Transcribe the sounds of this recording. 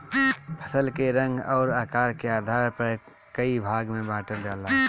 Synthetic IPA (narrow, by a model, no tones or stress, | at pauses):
pʰə̥səlkeɾə̃ŋɡɔːɾaːkaːɾkeaːd̪ʱaːɾpɐɾ | kəibʱaːɡmẽbaːʈəɾd͡ʒaːla